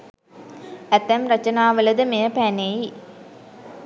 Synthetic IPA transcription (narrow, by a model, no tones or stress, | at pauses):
æt̪æmɾɐt͡ʃɐnaːʋələd̪əmejəpæːneji